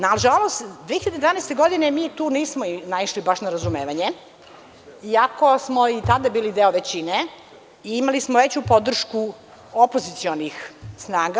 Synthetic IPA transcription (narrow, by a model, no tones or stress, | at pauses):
naʒalˠost̪d̪ʋexiʎad̪ed̪vanɛejst̪e̞ɡo̞d̪inemit̪uːniːsmoinaiʃlibaʃnaɾazumeːʋaɲe | iako̞smo̞it̪ad̪abiːlid̪eoʋet͡ɕine | iimalismoʋet͡ɕupo̞d̪r̩ʃku | opozit̪sionixsnaːɡa